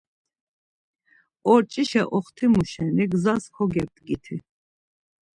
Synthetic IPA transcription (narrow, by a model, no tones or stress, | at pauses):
ɔɾt͡ʃʼiʃɛʔɔχt̪ʰimuʃɛniɡzaskʰɔɡɛb̚d̪ɡit̪ʰi